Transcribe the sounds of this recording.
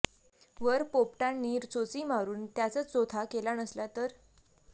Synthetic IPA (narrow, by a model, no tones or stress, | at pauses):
ʋəɾpopʈanːiːɾt͡sot͡simaɾuːnt̪jat͡sət͡st͡sot̪ʰakelanəslat̪əɾ